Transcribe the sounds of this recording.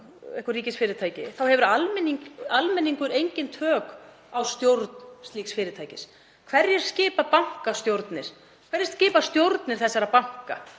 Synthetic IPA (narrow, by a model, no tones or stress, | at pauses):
ɛhkʏriːcɪsfɪːɾɪt̪ʰaːjcɪθawhɛvʏɾalmɛnːiŋkalmɛnːiŋkʏɾejɲcɪnt̪ʰœːk | awst̪jowɾt̪nst̪liːksfɪːɾɪt̪ʰaːjcɪs | kʰv̥ɛrjɛɾ̥scɪːpapaŋ̥kast̪jowɾt̪nɪɾ̥ | kʰvɛɾjɛst̪scɪːpast̪jowɾt̪nɪɾ̥θɛsːaɾapawŋ̥ka̰